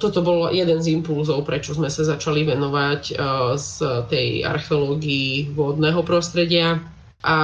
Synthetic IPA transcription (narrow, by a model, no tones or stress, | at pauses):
t̪ɔt̪ɔbɔljɛd̪ɛnzimpulzɔʊpɾɛt͡ʃɔzmɛsazat͡ʃaliʋɛnɔʋaczt̪ɛja̰ɾxɛɔlɔːɡiiʋɔd̪nɛːɦɔpɾɔst̪ɾɛɟɪa | ʔa